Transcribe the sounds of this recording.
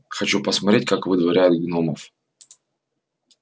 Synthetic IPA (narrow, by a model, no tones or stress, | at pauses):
xɐt͡ɕupəsmɐt̪ɾʲet̚ʲkakvɨd̪vɐɾʲæjʊt̪̚ɡʲɪnoməf